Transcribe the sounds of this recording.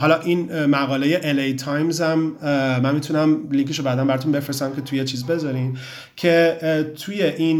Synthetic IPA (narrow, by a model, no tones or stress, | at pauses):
ɦɒlɒʔinmæɣɒːleje̞ʔelejt̪ʰɒjmzæmmænmit̪ʰunæmliŋkʰeʃobæːd̪æmbæɾɒt̪ʰunbe̞fɾesæmkʲʰe̞t̪ʰujet͡ʃʰiːzbe̞zɒɾin | cʰe̞t̪ʰuje̞ʔiːn